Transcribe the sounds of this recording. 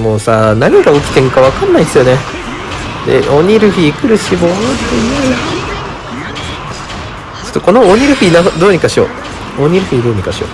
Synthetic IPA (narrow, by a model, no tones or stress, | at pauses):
moːsanaɲ̟iɡaokʲi̥t̪ẽ̞ŋkaβakanːaiesɨjo̞ne | d̪̥ḛʔoɲ̟iɾɯ̟ɸiːkɯ̟ɾɯ̟ɕibot̪ːee | sɨ̥t̪ːoko̞nooɲ̟ʲiɾɯ̟ɸɯ̟inad̪oːɲ̟ikaɕio̰ | oɲ̟ʲiɾɯ̟ɸɯ̟id̪o̞ːɲ̟ikaɕio̰